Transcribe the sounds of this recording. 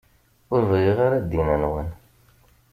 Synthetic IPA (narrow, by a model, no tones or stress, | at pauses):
ʊɾvʁiʁaɾad̪inænwən